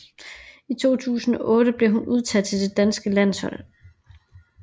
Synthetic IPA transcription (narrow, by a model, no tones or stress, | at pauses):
it͡sʰo̝̰ːt͡sʰṵːsn̩ɒ̽ʔɔ̽ːɾəb̥le̝ɦunuð̞ˠt͡sʰæd̥̚t͡sʰe̝d̥e̝d̥ænsɡ̥əlæn̰shɒ̽l